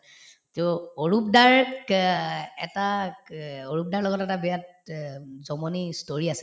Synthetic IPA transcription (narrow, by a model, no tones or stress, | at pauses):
tɔoɹup̚daɹ | ɛta | oɹup̚daɹlɔɡɔtɛtabɛjat̚ | zɔmɔnistoɹiasɛ